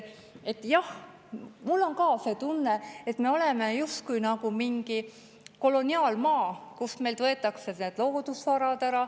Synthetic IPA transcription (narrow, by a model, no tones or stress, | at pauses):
e̞t̪ːˑjɑh | mulːo̞ŋkɑːse̞ːt̪unːe̞et̪me̞o̞le̞me̞just̪̚kujnɑɡ̥umiŋɡ̥i | ko̞lo̞nʲiɑːlmɑːkusme̞lt̪vɤe̞t̪ːˑɑkseneːd̪loːd̪usvɑɾɑd̪æɾɑ